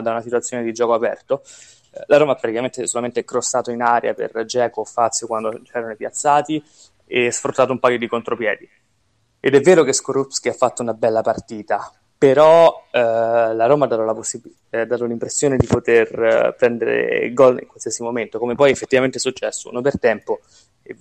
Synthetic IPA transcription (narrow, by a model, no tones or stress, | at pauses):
d̪aunasit̪wat̪sːjoːned̪id͡ʒɔːkoapɛ̰rt̪o | laɾoːmapːɾat̪ikament̪esolament̪ekɾosːaːt̪oinaɾja̰pḛrd͡ʒɛːkofat̪sːjokwand̪ot͡ʃɛːɾanoipjat̪sːaːt̪i | esfɾut̪ːaːt̪oumpajod̪ikont̪ɾopjɛːd̪i | ḛd̪ɛvːeːɾokeskoɾupskiafːat̪ːounabɛlːapart̪iːt̪a | peɾɔ | laɾoːmad̪aːt̪olaposi | d̪ːaːt̪olimpɾesːjoːned̪ipot̪erpɾɛnd̪eɾḛɡɔlḭŋkwalsiasimoment̪okomepɔjefːet̪ːivament̪esut͡ʃːɛsːo̰ṵnopert̪ɛmpo | e